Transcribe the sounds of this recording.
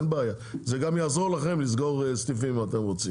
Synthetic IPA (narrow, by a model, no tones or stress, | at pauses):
nbeaja | zeɡamjaːzoʁlaχemliz̬ɡo̞ʁst̪ifimimat̪emʁot͡sim